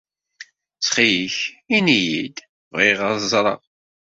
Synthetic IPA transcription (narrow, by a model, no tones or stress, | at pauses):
t͡sːχijiçinijid̪ | viʁəzˤɾˤə̰ʁ